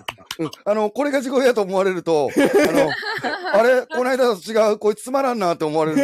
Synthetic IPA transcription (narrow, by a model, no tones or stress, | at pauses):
ɯ̟̃ano̞ko̞ɾe̞ɡaʑiɡo̞ijat̪o̞ːmoaɾe̞ɾɯ̟t̪o̞anoaɾe̞ko̞naid̪at̪ot͡ɕiɡaɯ̟ko̞it͡sɨ̥t͡sɨmaɾãnːat̪ːe̞ːmo̞aɾe̞ɾɯ